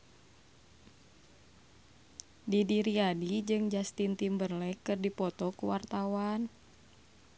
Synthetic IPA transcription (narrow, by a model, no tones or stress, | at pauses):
didiɾiadid͡ʒɨŋd͡ʒast̪int̪imbərlɛkɨrdipɔt̪ɔkuwart̪awan